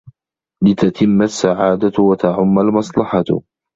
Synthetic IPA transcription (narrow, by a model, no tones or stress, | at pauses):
lɪt̪at̪ʰɪmːasːaʕaːd̪awat̪aʕʊmːalmɑsˤlɑħɑt